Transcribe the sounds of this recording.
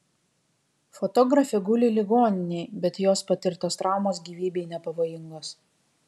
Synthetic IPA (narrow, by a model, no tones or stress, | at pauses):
fot̪ɔɡɾɐfʲɛɡʊlʲɪlʲɪɡoːnʲɪnʲɛɪbʲɛt̪joːspɐt̪ʲɪɾt̪oːst̪ɾɑˑʊmoːs̬ɡʲiːʋʲiːbʲeɪnʲɛpɐʋoːjɪŋɡoːs